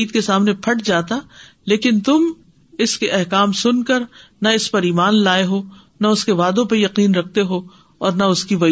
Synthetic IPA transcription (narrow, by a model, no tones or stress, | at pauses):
iːd̪kesaːmnẽpʰɐʈd͡ʒaːt̪a | leːkɪnt̪ʊm | ɪskeʔɛɦkaːmsʊnkɐɾnaɪspɐɾiːmaːnlaːeɦo | naʊskeʋaːd̪õp̬ɐɾjɐqiːnɾɐk̚ʰt̪eɦoː | ɔːɾnaʊskiʋɐ